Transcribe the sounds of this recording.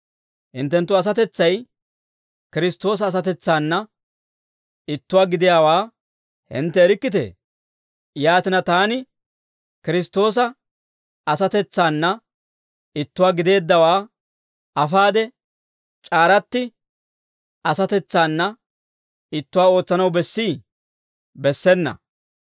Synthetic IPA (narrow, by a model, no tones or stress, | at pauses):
hɪnt̪ːɛnt̪ːʊɐs̬ɐt̪ɛt͡sːɐj | kɪɾɪst̪ːo̞ːs̬ɐːs̬ɐt̪ɛt͡sːaːnːɐ | ɪt̪ːʊwaːɡɪd̪ɪjaːwaː | hɪ̰nt̪ːɛːɾɪkːɪt̪ḛː | jaːt̪ɪnɐt̪aːnɪ | kɪɾɪst̪o̞ːs̬ɐ | ɐsɐt̪ɛt͡sːaːnːɐ | ɪt̪ːʊwaːɡɪd̪e̞ːd̪ːɐwaː | ɐfaːd̪ɛ | t͡ʃʼaːɾɐt̪ːɪ | ɐsɐt̪ɛt͡sːaːnːɐ | ɪt̪ːʊwaːo̞ːt͡sːɐnɐwbɛsːiː | bɛsːɛnːɐ̰